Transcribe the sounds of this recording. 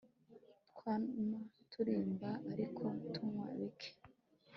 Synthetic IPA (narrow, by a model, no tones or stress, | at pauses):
tkwanatʰuɾiːmbaʔaɾikʰoutʰumŋa̰βikʰe̥